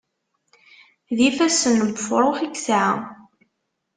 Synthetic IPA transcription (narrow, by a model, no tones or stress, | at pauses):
ðifæsənːəməfɾˤoχiksʕ̰